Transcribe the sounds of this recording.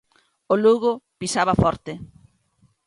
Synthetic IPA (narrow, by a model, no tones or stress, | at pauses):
oluɣʊpisaβafɔɾt̪ɪ